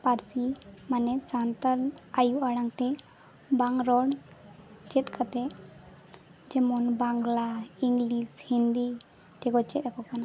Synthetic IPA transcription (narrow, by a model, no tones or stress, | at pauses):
paɾsimanɛsant̪alajuʔaɽaŋt̪ɛ | baŋɾɔɽ | t͡ʃɛt̪ˀkʰat̪ɛ | d͡ʒɛmɔnbaŋɡlaiŋɡlishind̪i | t̪ɛɡɔt͡ʃɛt̪ɛkɔkana